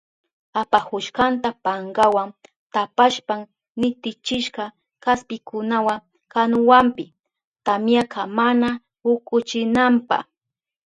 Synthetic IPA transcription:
apahʊʃɢant̪apaɴɡawaŋ | t̪apaʃpaŋ | nɪt̪ɪt͡ʃɪʃɢɑ | kaspɪkʊnawaŋ | kanʊwampɪ | t̪amjakamana | hʊkʊt͡ʃɪnampa̰χ

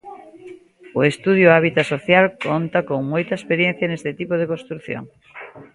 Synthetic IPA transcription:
oest̪uð̞joaβ̞it̪asoθjalkont̪akoŋmojt̪ɐespeɾjẽn̟θjɐnest̪et̪ipoð̞ekõnst̪ɾuθjo̰ŋ

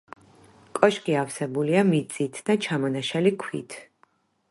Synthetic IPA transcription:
kʼɔʃkʼiafsɛbuliamit̪sʼit̪ʰd̪at͡ʃʰamɔnaʃalikʰwḭt̪ʰ

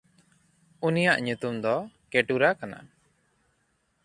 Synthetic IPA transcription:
unijaʔɲut̪umd̪ɔkɛʈuɾakana̰

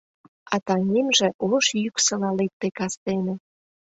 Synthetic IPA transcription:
ɑt̪ɑnʲemʒĕʔoʃjyksə̆lɑlek̚t̪ekɑst̪enĕ

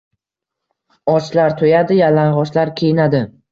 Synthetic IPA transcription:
ɒt͡ʃlaɾt̪ʰojad̪ɪjalaɴʁɒʃlaɾkʲʰejnad̪ɪ

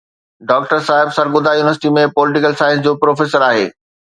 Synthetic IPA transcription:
ɖɔːk̚ʈəɾsaːɦɪbsɐɾɡʊd̪ajuːnɪəɾsɪʈimẽpɔːlɪʈɪkəlsaːɪə̃ns̬d͡ʑoːpɾoːfeːsəɾaːɦḛː

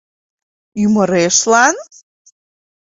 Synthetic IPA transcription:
yməɾeʃlɑn

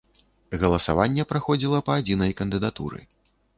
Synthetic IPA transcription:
ɣɐlˠɐsa̰vanʲːɛpɾaxɔd͡zʲilˠɐpɐːd͡zʲinɐjkɐnd̪ɨd̪at̪ṵɾɨ̰

